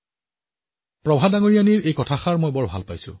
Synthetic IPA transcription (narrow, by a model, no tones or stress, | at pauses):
pɹɔbʱadaŋoɹijaniɹejkɔtʰaxaɹmojbɔɹbʱa̰lpajsʊ̰